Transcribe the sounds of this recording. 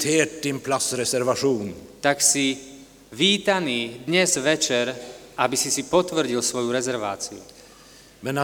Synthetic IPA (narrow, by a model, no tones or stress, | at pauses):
t̪ʰeːʈ̚d̪ɪnpʰlasɾɛsɛɾʋaʂuːnt̪aksi | ʋiːt̪aniːd̪ɲɛzʋɛt͡ʃɛɾabisisipɔt̪ʋr̩ɟilsʋɔjuɾɛzɛɾʋa̰ːt͡siṵ | mɛna